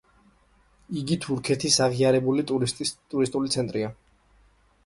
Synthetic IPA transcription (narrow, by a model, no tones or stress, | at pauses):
iɡit̪ʰuɾkʰɛt̪ʰisaʁiaɾɛbulit̪ʼutʼt̪ʼuɾist̪ʼulit̪sʰɛnt̪ʼɾia